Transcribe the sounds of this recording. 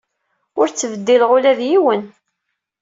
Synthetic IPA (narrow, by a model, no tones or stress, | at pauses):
ʊɾt͡sːəvəd̪ːilʁʊlæðjiwən